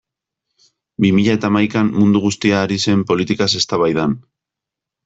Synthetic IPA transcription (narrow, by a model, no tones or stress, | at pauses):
bimiʎae̞t̪aːmajkammund̪uɣust̪iaːɾise̞mpo̞lit̪ikase̞st̪aβajðan